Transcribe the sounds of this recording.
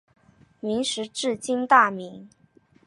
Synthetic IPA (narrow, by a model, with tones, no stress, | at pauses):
mi˧˥ŋʂɻ̩˧˥ʈ͡ʂɻ̩˥˩t͡ɕi˥ŋt̪a˥˩mi˧˥ŋ